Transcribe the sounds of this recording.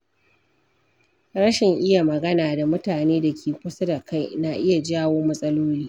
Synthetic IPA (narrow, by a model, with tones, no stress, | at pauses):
ɽɐ˦ʃɪ˨ŋʔɪ˦ja˨mɐ˨ɡɐ˦naː˨da˨mʊ˦taː˨neː˦da˨kʲʰeː˨kʷʊ˦sɐ˦da˨ka˦jna˨ʔɪ˦ja˨d͡ʒaː˦woː˦mɐ˦sʼɐ˦loː˦liː˦